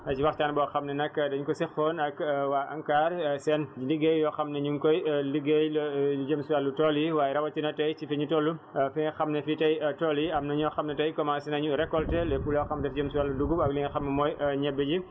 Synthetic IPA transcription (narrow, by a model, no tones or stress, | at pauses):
ɐt͡ʃiwɐxtaːnbɔːxɐmnɐnɐkːdɐɲukɔsixɔnɐkwaːʔɐŋkaːrsɛnd͡ʒiliɡejjɔːxɐmnɐɲuŋkɔjliɡejlud͡ʒəmsuwalːutɔliwaːjɛɾɐwɐtinɐtɐjt͡ʃifɛɲutɔːlːufixɐmnɛfitɐjtɔliɐmnɐɲɔxɐmnɛtɐjkɔmasinɐɲuɾɛkːɔltɛlɛfulɔxɐmdɛfɟəmsuwalːuduɡuɐɡliŋxɐmnɐmɔːjɲɛbːəɟi